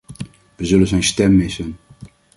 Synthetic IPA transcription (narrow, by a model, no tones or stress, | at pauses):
ʋəzɵlənzɛjnstɛmːɪsən